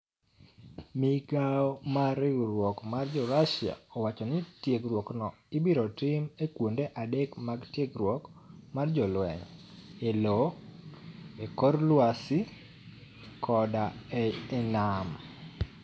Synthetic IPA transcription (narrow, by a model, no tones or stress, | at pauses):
mɪɡaɔmaɾɪɡɾwɔkmard͡ʒɔɾaʃja̰ɔwat͡ʃɔnɪtjeɡɾwɔknɔ | ɪbiɾɔtɪmekwondeʔadekmaɡtjeɡɾwɔkmard͡ʒɔlwɛ̰ɲelɔ | ekɔrlwasɪ | kɔdaɛːnam